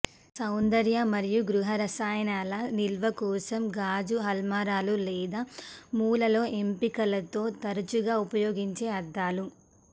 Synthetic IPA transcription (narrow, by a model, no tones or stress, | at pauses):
sɐwnd̪ɐɾjɐmɐɾijuɡɾuɦɐɾɐsaːjɐnaːlɐnilʋɐkɔːsɐmɡaːd͡ʒuɦɐlmaːɾaːlulɛːd̪aːmuːlɐlo̞ːʔe̞mpikɐlɐt̪o̞ːt̪ɐɾɐt͡ʃuɡaːupɐjoːɡiɲt͡ʃe̞ːɐd̪ːaːlu